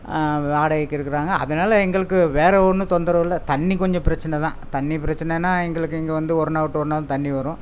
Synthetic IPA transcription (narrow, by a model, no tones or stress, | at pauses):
ʋaːɽɐɐkːɪɾɯkːɪɾaːŋɡɐɐ̰ðɐnaːlɐɛŋɡɐɭɯkːɯʋeːɾɛɔɾnːɯt̪ɔnd̪ɐɾɐʋɪlːɐt̪ɐɳːikɔɲd͡ʒɔ̃pɪɾɐt͡ʃːɐnɛt̪ãːt̪ɐɳːipɪɾɐt͡ʃːɐnɛeːnːaːɛŋɡɐɭɯkːɯɛŋɡeʋɐnd̪ɯɔɾɯnaːʋɐʈːɯɔɾɯnaːlɐ̃t̪ɐɳːiʋɐɾʊ̃